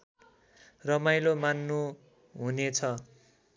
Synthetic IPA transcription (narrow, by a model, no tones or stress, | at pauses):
rʌmajlomanːu | ɦunet͡sʰʌ